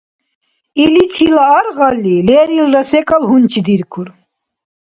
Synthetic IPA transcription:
ilit͡sʰilaːɾʁalːilɛːɾilɾɐsɛkʼalɦunt͡ʃʰid̪iɾkʰuɾ

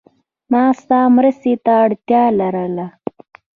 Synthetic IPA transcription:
mɑːst̪ɑːmɾəst̪et̪aːɽt̪jɑːlaɾəla

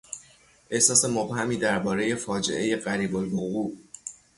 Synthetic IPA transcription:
ʔe̞hsɒːse̞mobhæmiːd̪æɾbɒːɾeje̞fɒːd͡ʒe̞̰ʔe̞je̞ɢæɾiːbolvoɣuːʔ

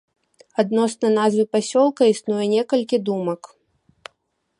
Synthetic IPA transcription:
ad̪nɔsnɐnazvɨpasʲɔlˠkɐisnujɛnʲɛkɐlʲkʲid̪umɐk

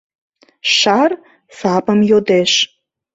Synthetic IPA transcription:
ʃɑr | sɑpəmjod̪eʃ

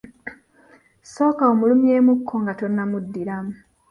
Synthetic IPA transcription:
so̞ːkaomulumje̞ːmukʰːo̞ŋɡato̞nːamudːiɾamu

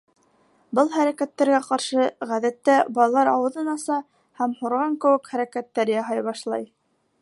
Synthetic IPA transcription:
bɤlˠhæɾækæt̪ːæɾɡæqɑɾʃɤʁæðæt̪ːæbɑlˠɑlˠɑɾɑwɤ̆ðɤnɑsɑ | hæmhŏɾʁɑŋkɘ̆wɘkχæɾækæt̪ːæɾjɑɦɑjβɑʃlˠɑ̰j

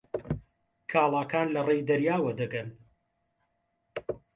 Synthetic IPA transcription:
kʰaːlˠaːkaːnlɐrejd̪ɐɾjaːwɐd̪ɐɡɐn

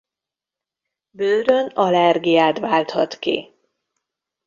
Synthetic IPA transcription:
bøːɾønɒlɛrɡijaːt̪vaːlt̪hɒt̪kḭ

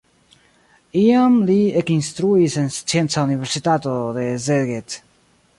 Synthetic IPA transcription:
iamliekinst̪ɾuisenst͡sjent͡sauniβeɾsit̪at̪oðezeɡet̪

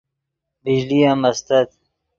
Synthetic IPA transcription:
bid͡ʑlijamɐst̪ɐt̪̚

